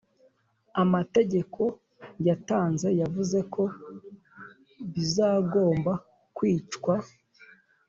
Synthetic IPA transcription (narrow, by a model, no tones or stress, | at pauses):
amate̞ɟe̞kʰo̞ | jataːnze̞javuze̞kʰo̞ | βizaːɡo̞ːmba | kwiːt͡ʃkwa